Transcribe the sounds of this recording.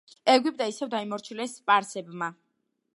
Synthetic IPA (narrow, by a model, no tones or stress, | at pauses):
ɛɡwib̚d̪aisɛvd̪aimɔɾt͡ʃʰilɛspʼaɾsɛbma